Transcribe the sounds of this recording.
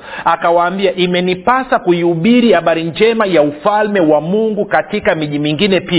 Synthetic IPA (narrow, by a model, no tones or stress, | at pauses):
akawaːmbiaʔimɛnipasakuiuɓiɾihaɓaɾind͡ʒɛmajaufalmɛwamuŋɡukatikamiʄimiŋɡinɛpia